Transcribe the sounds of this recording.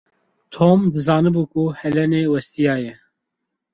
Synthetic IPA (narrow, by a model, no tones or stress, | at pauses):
t̪ʰoːmd̪ɨzɑːnɨbuːkʰuhɛlɛneːwɛst̪ijɑːjɛ